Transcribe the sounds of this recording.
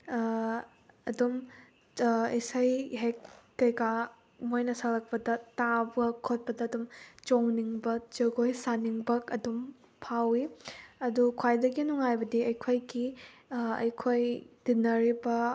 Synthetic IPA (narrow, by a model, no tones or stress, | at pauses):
ɐdum | isɐjɦekːɐjka | mojnɐsɐlɐk̚pɐdɐtabɐkʰot̚pɐdɐːdumt͡ʃoŋniŋbɐk̚t͡ʃɐɡojsaniŋbɐkɐdum | pʰawiɐdukʰajdɐɡinuŋajbɐdiɐjkʰojɡi | ɐ̰jkʰojd̥inɐɾibɐ